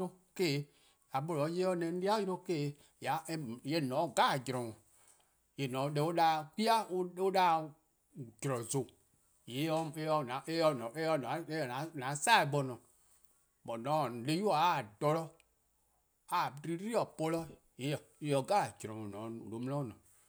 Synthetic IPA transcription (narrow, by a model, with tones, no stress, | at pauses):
ɾõ˦ke˦˨˦ | a˨ɓɔ˨lɔ˨˦je˦ɔ˦nɛ̃˨n̩˦i˦a˦jɾõ˦ke˦˨˦ | ja˨˦je˨˦˨nɔ̃ː˨˦˨ɡa˦˨d͡ʒɾɔ̃˨ɔ̃˨ | je˨nɔ̃˨˦dɛ˨wo˦ɗa˦ki˦a˦o˦o˦ɗa˦ | d͡ʒɾɔ˨zo˨ | je˨˦ɔ˦e˦ɔ˧nã˨˦e˦ɔ˧nɔ̃˨e˦ɔ˧˨na˨˦e˦ɔ˨nã˨˦nã˨˦sa˦˨e˨ɓɔ˨nɔ̃˨ | bɔ˨nɔ̃˨˦˨le˦ju˦ɔ˨a˦˨dɔ˨lɔ˦ | a˨ɾi˦ɾi˦ɔ˨pɔ˧lɔ˦ | je˨˦ɔ˨e˨˦ɔ˨ɡa˦˨d͡ʒɾɔ̃˨ŋɔ̃˨nɔ̃˨˦˨lo˨˦m̃˦ɔ̃˦˨nɔ̰̃˨